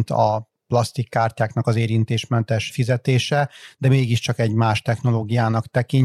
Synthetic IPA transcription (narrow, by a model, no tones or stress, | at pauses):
nt̪ɒ | plɒst̪ikːaːrcaːknɒkɒzeːɾint̪eːʃmɛnt̪ɛʃfizɛt̪eːʃɛd̪ɛmeːɡiʃt͡ʃɒkɛɟmaːʃt̪ɛxno̞loːɡijaːnɒkt̪ɛkiɲ